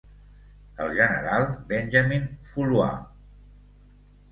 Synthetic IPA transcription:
əlˠʒənəɾalˠbɛnʲʒəminfulwa̰

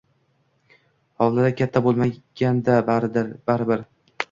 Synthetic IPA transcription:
hɒwlad̪akʲʰat̪ʰːabolˠmaɡ̥ʲand̪abaɾɪbɪɾ

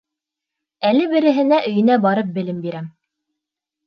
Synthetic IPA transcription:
ælɘbɘ̆ɾɘ̆ɦɘ̆næʔɵ̆jɘ̆næbɑɾɤp̚bɘ̆lɘmbiɾæm

